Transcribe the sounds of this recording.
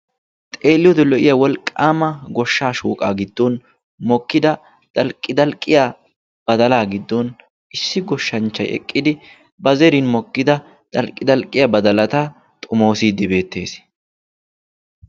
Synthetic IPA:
t̪ʼe̞ːlːɪjɔd̪ɛlɔʔɪjɐwɔlkʼːaːmɐɡɔʃːaːʃuːkʼaːɡɪd̪ːɔn | mɔkːɪd̪ɐ | d̪̥ɐlkʼːɪd̪ɐlkʼːɪjaː | b̥ɐd̪ɐlaːɡɪd̪ːɔn | ɪsːɪɡɔʃːɐnt͡ʃːɐjɛ̰kʼːɪd̪ɪ | bɐzɛɾinmɔkːɪd̪ɐ | d̪̥ɐlkʼːɪd̪ɐlkʼɪjabɐd̪ɐlɐt̪a | t̪ʼʊmoːsiːd̪ːɪbe̞ːt̪ːe̞ːs

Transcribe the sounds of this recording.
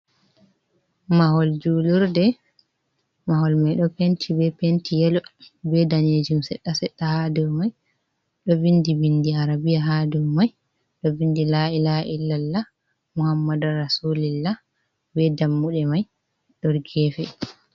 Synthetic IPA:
mahɔld͡ʒuluɾdɛ | mahɔlmajɗɔpentʰibɛpentʰijɛlɔbɛdaned͡ʒumsɛɗːasɛɗːahadumaj | ɗɔvindibindiaɾabijaɦadumaj | ɗɔvindilailaʔilːalːa | muhamːadaɾasulilːa | bɛdamːuɗɛmaj | ɗɔɾɡɛfɛ

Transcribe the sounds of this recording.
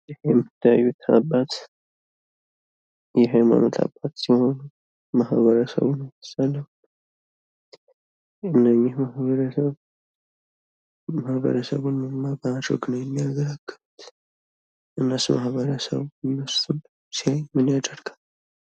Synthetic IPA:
jɪhjɛmːɨt̪ʰːəja̰jːut̪ʰa̰bat̪ | jɛɦama̰mot̪ʰa̰bːat̪siho̞nu | mahβəɾəsə̰βunət̪ɨ̥salːəw | ɨnːəɲːɪhmahβəɾəsəβ | mahbə̰ɾəsə̰βunmɨmabəad̪ɾə̰ɡnəwjɛmːiaɡəɾaɡːəβut̪ | ʔɨnːəsmahβəɾəsə̰βnːəsul | sihajmɨnjad̪əɾɡam

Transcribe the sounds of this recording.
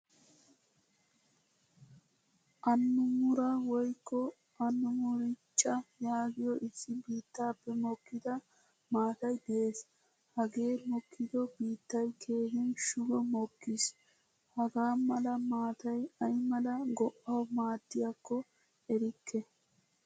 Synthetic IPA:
ʔɐnːʊmʊɾɐwɔjkːɔ | ɐnːʊmʊɾɪt͡ʃʼːɐjaːɡɪjɔʔɪsːɪbiːt̪ːaːpːɛmɔkːɪd̪ɐ | maːt̪ɐjd̪ɛeːs | hɐɡe̞ːmɔkʰːɪd̪ɔbiːt̪ːɐjkʰe̞ːhɛnʃʊɡɔmɔkːɪs | hɐɡaːmɐlɐmaːt̪ɐjɐjmɐlɐɡɔʔːɐwmaːd̪ːɪjɐkːɔ | ɛɾɪkːɛ

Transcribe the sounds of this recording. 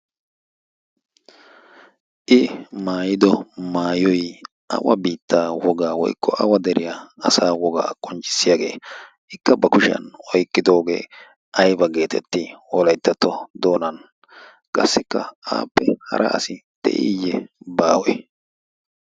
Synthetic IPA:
ʔɪmaːjɪd̪ɔmaːjɔj | ʔɐ̰wɐ̰biːt̪ːaːwɔɡaːwɔ̰jkʰːɔʔɐwɐd̪ɛɾɪjaɐsaːwɔɡa̰ːkʼɔnt͡ʃʼɪ̥sːɪjaːɡe̞̰ː | ɪkːɐbɐkʊʃɪɐ̰nɔjkːɪd̪oːɡḛː | ʔɐjbɐɡe̞ːt̪ʰɛt̪ːɪwɔlɐjt̪ːɐt̪ːɔd̪o̞ːnɐn | kʼɐsːɪkːɐ̰a̰ːpːɛhɐ̰ɾʔɐ̰ʔɐ̰sɪt̪ɛ̰ʔɪ̰jːɛbaːwɔj

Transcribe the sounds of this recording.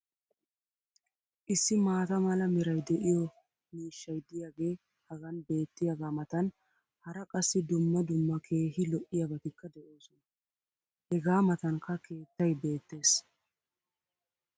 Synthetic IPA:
ʔɪsːɪmaːt̪ɐmɐlɐmɛɾɐjd̪ɛʔɪjɔ | miːʃːɐjd̪ɪjaːɡe̞ː | hɐɡɐnbe̞ːt̪ːɪjaɡaːmɐt̪ɐn | hɐɾɐkʼɐsːɪd̪ʊmːɐd̪ʊmːɐkʰe̞ːɦɪlɔʔɪjɐbɐt̪ɪkːɐd̪ɛʔo̞ːsɔnɐ | hɛɡaːmɐt̪ɐnkɐke̞ːt̪ːɐjbe̞ːt̪ːe̞ːs

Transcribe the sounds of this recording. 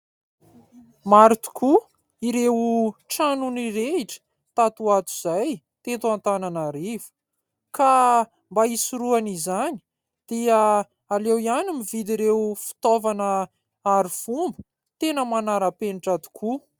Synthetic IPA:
maɾit̪u̥kʰu | iɾewuʈ͡ʂanuniɾeiʈ͡ʂə̥ | t̪at̪uat̪u̥z̥aj | t̪ent̪uant̪ananaɾivu̥ | ka | mbaisuɾuanizani̥ | d̪̥ia | alewianimivid̪iɾewfi̥t̪ovanə | aɾifumbu̥ | t̪enəmanaɾəpeniʈ͡ʂat̪u̥kʰu

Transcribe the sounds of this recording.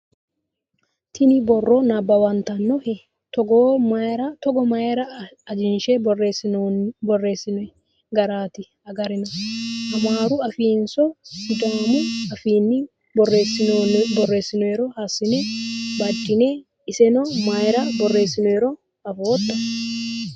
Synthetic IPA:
t̪ʰɪnɪbɔrːɔnɐbɐwɐnt̪ɐnːɔhɛ | t̪ɔɡɔmaɾɐt̪ɔɡɔmɐjɾɐd͡ʒɪnʃɛreɪbɔrːe̞ːsːɪnɔɛ | ɡɐɾaːt̪ɪ | ɐɡɐɾɪnɔʔɐmaːɾʊɐfiːnsɔɪd̪aːmʊɐfiːnːɪ | resɪbɔrːe̞ːsːɪnʊɛɾɔhasɪnɛbɐd͡ʒːɪne | ɪsɛnɔmajɾɐbɔrːe̞ːsːɪnɔɛɾɔ | ɐfoːd̪ːɐ

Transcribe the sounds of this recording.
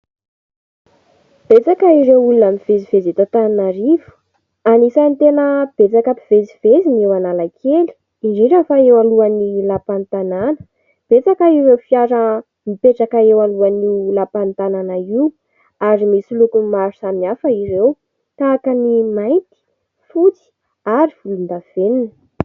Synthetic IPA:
b̥et͡sakəiɾewulunamiv̥ezivezet̪at̪ananaɾivu̥ | anisant̪enəb̥et͡sakəpiv̥eziv̥ezinewanalakʰeli̥ | iɳɖ͡ʐeɾafaewaluanilapant̪ananə̥ | b̥et͡sakaiwɾewfiaɾə | mipeʈ͡ʂakaewaluanilapant̪ananaiw | aɾimisilukumaɾusamiafəiɾew | kaːkanimajnt̪i̥ | fut͡si̥ | aɾiv̥ulund̪av̥eninə

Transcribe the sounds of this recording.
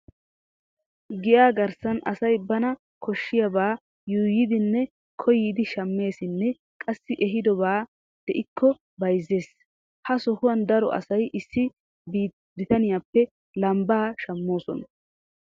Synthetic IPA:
ɡɪʔaːɡɐɾsɐnʔɐsɐjbɐnɐ | kʰɔʃːɪjɐbaː | juːjɪd̪ɪnːɛ | kʰɔjiːd̪ɪʃɐmːe̞ːsɪnːɛ | kʼɐsːɪʔɛɦɪd̪ɔbaː | d̪̥ɛʔɪkʰːɔ | bɐjzːe̞ːs | hɐsɔhʊwɐnd̪ɐɾɔ̰ʔɐ̰sɐjʔɪsːɪ | biː | d̪ɪt̪ɐnɪjaːpːɛ | lɐmbaːʃɐmːo̞ːsɔ̰n

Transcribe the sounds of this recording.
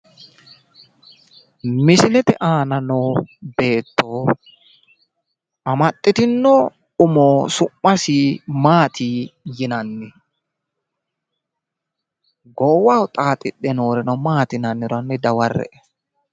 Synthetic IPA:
mɪsɪlɛt̪ɛʔaːnɐnoːbe̞ːt̪ːoː | ʔɐmɐt̪ʼːɪt̪ɪnːɔ | ʊmoːsʊmːɐsimaːt̪ʰiːjɪnɐnːɪ | ɡɔwɐwʊt̪ʼaːt̪ʼɪɗːɛnoːɾɛnɐmaːt̪ɪnɐnːɪɾɔnːɪd̪ɐwɐrːɛ̰ʔɛ

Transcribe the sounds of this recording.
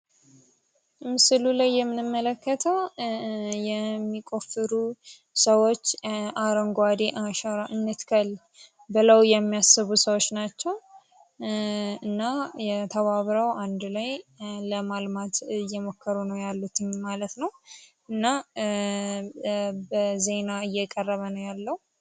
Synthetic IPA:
mɨsɨlulajːɛmːɨnɨmːələkːət̪ʰəw | jɛmːikʼo̞fɨɾu | səwo̞t͡ʃːʔaɾəŋɡwad̪eʔaʃaɾaʔɨnːɨt̪kʰəl | bɨləwjɛmːijasɨβusəwot͡ʃːnat͡ʃːɛw | ɨnːajɛt̪ʰəβaβɾawʔand̪lajləmalmat̪ɨjːɛmokːəɾunəwjalːut̪ʰɨɲmalət̪nəw | ɨnːa | bəze̞naɨjːɛkʼərːəβənəwjalːəw

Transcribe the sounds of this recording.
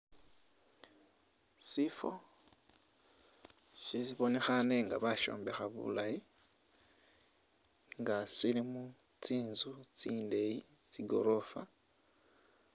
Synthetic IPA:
sifo̰ | ʃisiβo̞ne̞xane̞ŋɡaβaʃo̞̰ːmbe̞xaβṵlaji | ŋɡasilimu | t͡siːnzut͡siːnde̞ji | t͡siɡo̞ɾo̞fa

